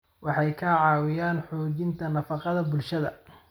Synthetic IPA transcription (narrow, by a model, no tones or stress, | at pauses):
wɑħɑjkʰɐʕɑːwɪjaːnħɔːt͡ʃɪnt̪ʰɐnɐfɑqɑðɐbʊlʃɐðɐ̰